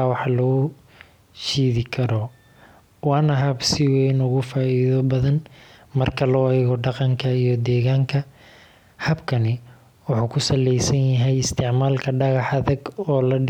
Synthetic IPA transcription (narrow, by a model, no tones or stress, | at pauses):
wɑħlɔː | ʃiːðɪkʰɐɾɔ | wɑːnɐɦɐbsɪwɛjnʊɣʊfaːiːðɔbɐðɐnmɐrkʰɐlɔːɛːɣɔɖɑqɑŋkʰɐijɔd̪ɛːɣaːŋkʰɐ | hɐbkʰɐnɪ | wʊħuːkʰʊsɐlɛjsɐnjɐɦɛjɪst̪ʰɪʕmaːlkʰɐɖɑɣɑħɐðɐɡɔːlɐɖ